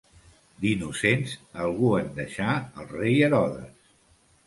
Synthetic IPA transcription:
d̪inusensəlˠɣuənd̪əʃaəlˠrejəɾɔðə̰s

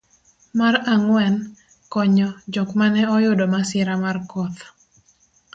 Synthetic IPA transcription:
maraŋwɛn | kɔɲɔd͡ʒokmanɛɔjʊdomasɪɾamarkɔt̪

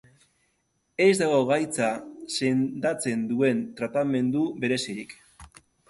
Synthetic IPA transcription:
e̞zd̪aɣo̞ɣajt͡sase̞nd̪at͡se̞nd̪ue̞nt̪ɾat̪ame̞nd̪uβe̞ɾe̞siɾik

